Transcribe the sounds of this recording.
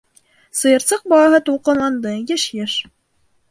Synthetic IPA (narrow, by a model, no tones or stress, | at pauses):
sɤ̆jɤ̆ɾsɤq̚bɑlˠɑɦɤt̪ulˠqɤ̆nlˠɑnd̪ɤjɘʃjɘʃ